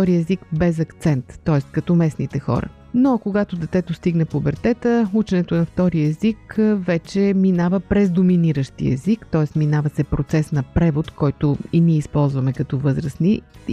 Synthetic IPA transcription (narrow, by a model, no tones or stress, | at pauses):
ɔɾiɛzikbɛzɐkt̪sɛnt̪ːɔɛst̪kɐt̪ɔmɛsnit̪ɛxɔ̰ɾə̰ | nokoɡat̪od̪ɛt̪ɛt̪ost̪iɡnəpobɛɾt̪ɛt̪əut͡ʃɛnɛt̪onɐft̪ɔɾiɛzikvɛt͡ʃɛminavəpɾɛzd̪ominiɾəʃt̪ḭɛ̰zikt̪ɔɛst̪minavɐsɛpɾot̪sɛsnɐpɾɛvot̪kʰɔjt̪oiniɛispɔlˠzvɐmɛkɐt̪ɔvɤzɾəsni